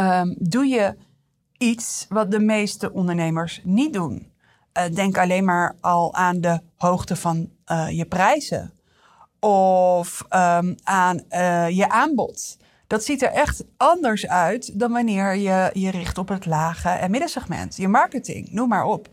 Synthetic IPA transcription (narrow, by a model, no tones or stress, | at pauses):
ədujə | itsʋɑt̚dəmejstəʔɔndəɹnejməɹsnit̚dun | ədɛŋkɑlejnmaːɹɑlˠaːndə | howχtəvɑnjəprɛjzə̰ | ɔf | anjəʔaːnbɔ̰t | d̥ɑtsitɛɹʔɛχtɑndəɹsœɥtdɑnʋɑnɪːɹjəjərɪχtɔpɦətlaːχəʔɛ̰mɪdəsɛχmɛ̰ntjəmɑɹkətɪ̰ŋnummaːɹɔp